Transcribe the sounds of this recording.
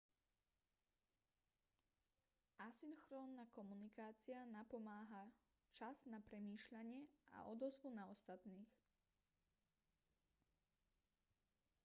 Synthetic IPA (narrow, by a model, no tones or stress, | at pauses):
asinxɾɔːnːakɔmunikaːt͡sianapɔmaːɦa | t͡ʃaznapɾɛmiːʃʎaɲɪɛa̰ʔɔd̪ɔzʋunaɔst̪at̪niːx